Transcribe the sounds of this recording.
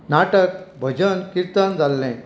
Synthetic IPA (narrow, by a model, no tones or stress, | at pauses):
naʈək̚bʱəd͡ʑənkiɾt̪and͡zalːɛ̃